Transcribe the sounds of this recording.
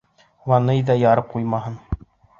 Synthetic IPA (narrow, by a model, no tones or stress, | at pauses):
wɑnɤjðɑjɑɾɤp̚qujmɑɦɤn